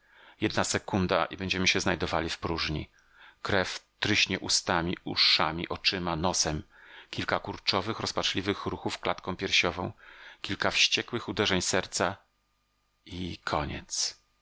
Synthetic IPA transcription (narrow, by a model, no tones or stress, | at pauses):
jɛd̪nasɛkund̪a̰ʔḭbɛɲd͡ʑɛmɘɕɛznajd̪ɔvalʲifpɾuʐɲḭ | kɾɛft̪ɾɘɕɲɛʔust̪amʲiṵʂa̰mʲiʔɔt͡ʂɘmanɔsɛm | kʲilkakuɾt͡ʂɔvɘxɾɔspat͡ʂlʲivɘxɾuxufklat̪kɔ̃w̃pʲjɛɾɕɔvɔ̃w̃kʲilkafɕt͡ɕɛkwɘxud̪ɛʐɛɲsɛɾt̪sa | ikʰɔɲɛ̰t̪s